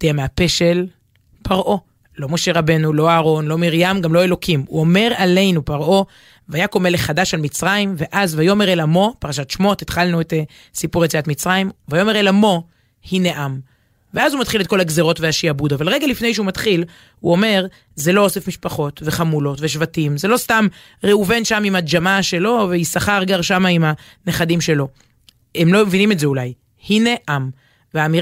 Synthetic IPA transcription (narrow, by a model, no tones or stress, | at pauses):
d̥eameape̞ʃe̞l | pʰaʁʔo̞ | lo̞mo̞ʃe̞ʁabe̞nulo̞aːʁo̞nlo̞miʁjamɡamlo̞e̞lo̞kʰimṵo̞me̞ʁale̞jnupaʁʔo̞ | vajako̞me̞leχadaʃalmit͡sʁajimve̞ʔazvajo̞meʁelamo̞paʁaʃatʃmo̞tet̪χalnuet̪e | sipuʁet͡siatmit͡sʁajimvajo̞me̞ʁelamo̞ | hineʔam | veazumat̪χile̞t̚ko̞laɡzeʁo̞tveaʃiabudavalʁeɡalifne̞jʃ̬eumatχil | uo̞me̞ʁ | ze̞lo̞osefmiʃpaχo̞tve̞χamulo̞tveʃ̬vatimze̞lo̞stam | ʁeuve̞nʃamimad͡ʒamaʃe̞lo̞veisaχaʁɡaʁʃamaimha | ne̞χadimʃe̞lo̞ | emlo̞mevinimetzeulaj | hineʔam | veaːmi